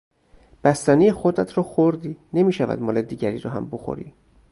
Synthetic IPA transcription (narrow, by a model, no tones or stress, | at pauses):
b̥æst̪ænijexod̪ɾæt̪ʰɾɔːxoɾd̪iːne̞miːʃævæ̰d̪mɒːled̪iːɟæɾḭːɾɒɦæ̰mboxo̰ɾḭː